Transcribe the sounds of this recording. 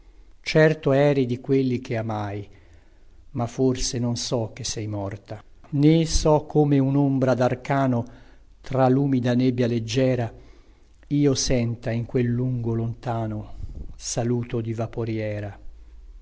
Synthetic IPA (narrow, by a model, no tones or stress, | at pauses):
t͡ʃɛrt̪oɛːɾid̪ikwelːik̟eamaj | mafːorsenonsɔk̟ːesːɛjmɔrt̪anesɔkʰːoːmeunombɾad̪arkaːno | t̪ɾalːuːmid̪anebːjaled͡ʒːɛːɾa | iːosɛnt̪aiŋkwelːuŋɡolont̪aːnosaluːt̪od̪ivapoɾjɛːɾa